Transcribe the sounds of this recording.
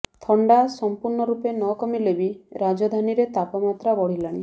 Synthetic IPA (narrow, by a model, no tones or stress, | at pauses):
t̪ʰɔɳɖasɔmpuɾɳɔɾupenɔkɔmilebiɾad͡ʒɔd̪ʱaniɾet̪apɔmat̪ɾabɔɽ̤ilaɽ̃i